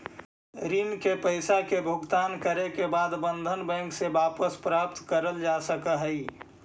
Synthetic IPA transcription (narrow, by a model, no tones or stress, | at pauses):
ɾinkepəɪsakebʱʊɡt̪aːnkəɾekebaːd̪bə̃nd̪ʱənbɛ̃ːŋksebaːpəspɾaːp̚t̪kəɾəld͡ʒasəkəɦəɪ